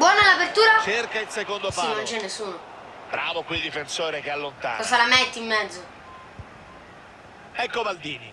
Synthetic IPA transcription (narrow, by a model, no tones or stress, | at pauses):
bwɔːnalapert̪uːɾat͡ʃerkailsekond̪ospainont͡ʃɛnːesːuːno | b̥ɾaːvokwid̪ifensoːɾek̟ealːont̪a̰nkɔsalamɛt̪ːimːɛd̪zːo | ɛkːobald̪iːni